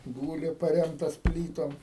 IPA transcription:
ˈɡuːlʲɪ pɐˈrʲɛmtɐs ˈpʲlʲiːtoːm

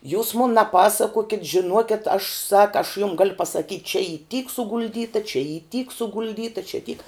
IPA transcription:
juːs mʊn nʲɛˈpɑːsɐkuɔkʲɪt ʒʲɪˈnuɔkʲɛt ɐʃ sɐk ɐʃ jʊm ɡɐlˠ pɐsɐˈkʲiːtʲ t͡ʃʲɛ iː tʲiːk sʊɡʊlʲˈdʲiːtɐ t͡ʃʲɛ iː tʲiːk sʊɡʊlʲˈdʲiːtɐ t͡ʃʲɛ tʲiːk

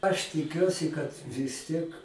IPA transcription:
ɐʃ tʲɪˈkʲuɔsʲɪ kɐt ʋʲɪs ˈtʲiɛk

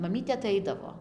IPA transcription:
mɐˈmʲiːtʲeː ɐˈtɐɪdɐʋoː

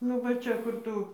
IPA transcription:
nʊ ˈʋɐ ˈt͡ʃʲɛ ˈkʊr tʊ

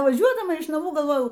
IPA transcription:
ʋɐˈʒʲuɔdɐmɐ ɪʃ nɐˈmuː ɡɐlˠˈʋoːjɛʊ

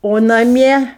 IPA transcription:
oː nɐˈmʲiɛ

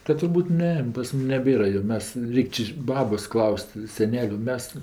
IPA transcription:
kɐt tʊrˈbuːt ˈnʲɛ pɐs ˈmʊm nʲɛˈbʲeːrɐ joː ˈmʲɛs ˈrʲɛɪkʲ t͡ʃʲɪ ˈbɑːboːs ˈklˠɐʊsʲtʲ sʲɛˈnʲæːlʲʊ ˈmʲɛs

